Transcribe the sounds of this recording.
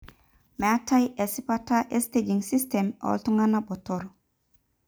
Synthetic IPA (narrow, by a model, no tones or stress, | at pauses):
meatajesipataʔested͡ʒiŋsistemo̰ltuŋanabotoɾ